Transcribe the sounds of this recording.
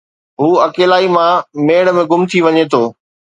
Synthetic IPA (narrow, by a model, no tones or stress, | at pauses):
ɦuːɐkeːlaːimãmeːɽmẽɡʊmt̪ʰiʋɐɲet̪ʰoː